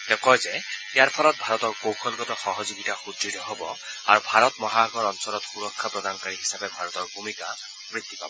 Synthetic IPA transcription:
t̪ekɔjzet̪jaɾpʰɔlɔt̪̚bʱaɾɔt̪ɔɾkokʰɔlkɔt̪ɔxɔɦɔd͡ʒoɡit̪axud̪ɾiɾɔɦɔbɔaɾubʱaɾɔt̪mɔɦaɡɔɾɔnsɔɾɔt̪xuɾɔkʰːapɾɔd̪anɔkaɾiɦisabebʱaɾɔt̪ɔɾbʱumika | mɾit̪ːi̥pabɔ

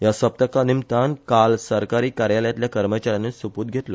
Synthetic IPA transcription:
jasəp̚t̪əkanimt̪ankalsəɾkaɾiːkaɾjaləjat̪ljakəɾmət͡ɕaɾjanesupuːt̪̚ɡʱet̪lo

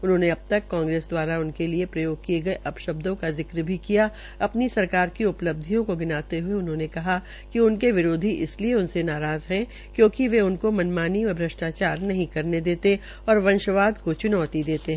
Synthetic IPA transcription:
ʊnɦõːneɐb̚t̪ɐkːãːŋɡɾeːsd̪waːɾaʊnkeliepɾɐjoːɡ̚kieɡɐeʔɐpʃɐb̚d̪õkazɪkɾbʱikija | ɐpnisɐɾkaːɾkiʊpləb̚d̪ʱijõkoɡɪnaːt̪eɦʊeʊnɦõnekɐɦa | kiʊnkeʋɪɾoːd̪ʱiʔɪslieʊnsenaːɾaːzɦɛ̃ | kjõːkiʋeʊnkomɐnmaːniʋɐbʱɾɐʃʈaːt͡ʃaːɾnɐɦĩkɐɾned̪eːt̪e | ɔːɾʋɐ̃nʃəʋaːd̪kot͡ʃʊnɔːt̪id̪eːt̪eɦɛ̃ː

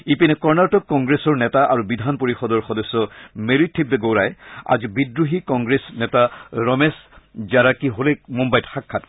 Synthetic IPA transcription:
ipinɛkɔɹnaɹtɔk̚kɔŋɡɹesɔɹnɛtaʔaɹubidʱanpoɹixɔdɔɹxɔdɔsːɔmeɹitʰːibːeɡowɹaja̰zibidɹuɦikɔŋɡɹesnɛtaɹɔmeszaɹakiɦolɛkmumbajtxakʰːat

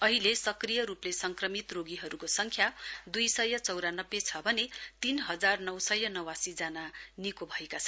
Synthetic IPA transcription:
ʌɦilesʌkrijʌɾuplesʌŋkrʌmit̪roɡiɦʌɾukosʌŋkʰjad̪ujsʌjʌt͡sʌwɾanʌbːet͡sʰʌbʱʌnet̪inɦʌd͡zarnʌwsʌjːʌnʌwasid͡zananikobʱʌekat͡sʰʌ

